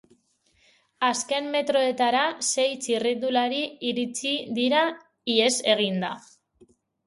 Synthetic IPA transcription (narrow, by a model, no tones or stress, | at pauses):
aske̞mːe̞t̪ɾo̞e̞t̪aɾase̞jt͡sirind̪ulaɾiiɾit͡siðiɾa | ie̞se̞ɣ̞ind̪a